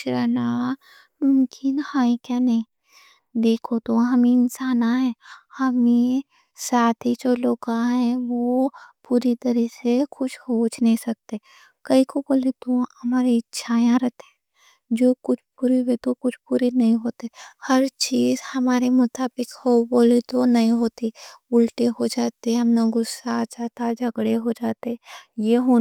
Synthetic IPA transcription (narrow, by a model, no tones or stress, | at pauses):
ɾəna | mʊmkɪnhaːikjanɐɦĩ | d̪eːkʰot̪oɦɐmẽɪnsaːnaɦɛ̃ːhɐme | saːt̪ʰid͡ʒoːloːɡãɦɛ̃ʋopuːɾit̪ɐɾisekʊt͡ʃʰhoːt͡ʃnɐɦĩsɐk̚t̪e | kɐikoboːlet̪ohɐmaːɾeɪtːʃʰajãɾɛɦt̪ẽ | d͡ʒoːkʊt͡ʃʰpuːɾeɦet̪okʊt͡ʃʰpuːɾenɐɦĩɦoːt̪ehɐɾt͡ʃiːzhɐmaːɾemʊt̪aːbɪkɦoboːlit̪onɐɦĩɦoːt̪iʊlʈeɦod͡ʒaːt̪eɛɦɐmnɐɡʊsad͡ʒaːt̪ad͡ʒɐɡɽeɦod͡ʒaːt̪eɛ̃jeɦo